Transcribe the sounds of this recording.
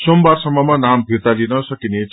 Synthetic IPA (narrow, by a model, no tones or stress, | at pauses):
sombarsʌmːʌmanambʱiɾt̪alinʌsʌkinet͡sʰ